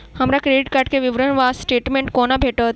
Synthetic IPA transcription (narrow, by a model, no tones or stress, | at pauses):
həmɾakɾeːɖiʈ̚kəɾʈ̚keʋɪʋɾənʋaːsʈeːʈmẽɳʈkoːnabʱeːʈət̪̚